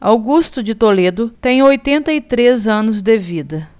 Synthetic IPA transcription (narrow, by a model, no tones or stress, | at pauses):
awɡust̪ʊd͡ʒɪt̪oled̪ʊt̪ẽj̃ojt̪ẽnt̪ɐit̪ɾezɐ̃nʊzd̪evid̪ɐ